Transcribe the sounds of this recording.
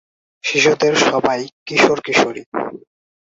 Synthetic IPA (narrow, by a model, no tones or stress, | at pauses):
ʃiʃud̪eɾʃɔbajkiʃoɾkiʃoɾi